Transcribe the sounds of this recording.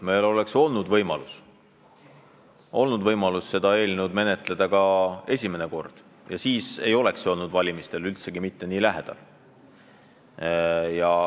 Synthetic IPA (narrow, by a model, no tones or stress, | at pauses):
me̞jlo̞le̞kso̞lnud̪̥vɤjmɑlus | ʔo̞lnud̪vɤjmɑlusːe̞d̪̥ɑe̞ːlʲnewd̪̥me̞ne̞t̪ˑle̞d̪̥ɑkɑe̞sʲime̞neko̞rd̪̥ | jɑsiːse̞jo̞le̞ksjo̞ːlnud̪vɑlʲimist̪e̞lylt̪se̞ɡ̥imit̪ːe̞niːlæɦe̞d̪̥ɑ̰l | jɑ